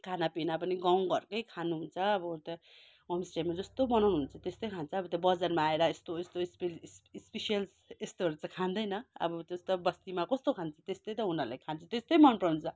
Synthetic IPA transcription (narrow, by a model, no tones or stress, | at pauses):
kʰanapinapʌniɡaw̃ɡʌɾkʌjkʰanuɦunt͡sʰʌːbʌt̪a | wʌmsʈeʈmad͡zʌst̪obʌnawnuɦunt͡sʰʌt̪est̪ʌjkʰant͡sʰʌːbʌt̪jbʌd͡zarmaːeɾʌest̪oest̪ospelsspesijʌls | est̪oʌɾt͡sãkʰand̪ʌjnʌʌ̰bʌt̪est̪ʌbʌst̪imakʌst̪okʰant͡sʰʌt̪est̪ʌjt̪ʌɦunʌrlajkʰant͡sʰʌt̪est̪ʌjmʌnpʌnt͡sʰʌ